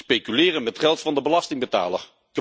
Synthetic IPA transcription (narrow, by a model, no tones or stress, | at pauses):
pejkylɪːrənmɛtχɛlˠtfɑndəbəlɑstɪŋbəta̰ːlə̰ɹ | k